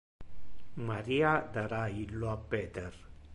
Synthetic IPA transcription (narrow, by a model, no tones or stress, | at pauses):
mɐɾiad̪ɐɾailːoapːet̪eɾ